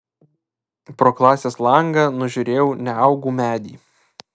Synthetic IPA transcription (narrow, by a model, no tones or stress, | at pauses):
pɾoːklˠɑːsʲeːslˠɐŋɡɑnʊʒʲʊɾʲeːjɛʊnʲɛɑʊɡuːmʲæːd̪ʲḭː